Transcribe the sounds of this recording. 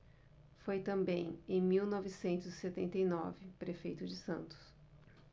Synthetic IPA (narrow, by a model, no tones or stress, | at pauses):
fojt̪ɐ̃mbẽj̃ẽj̃miwnɔvɪsẽnt̪ʊzɪset̪ẽnt̪ejnɔvɪpɾefejt̪ʊd͡ʒɪsɐ̃nt̪ʊ̥s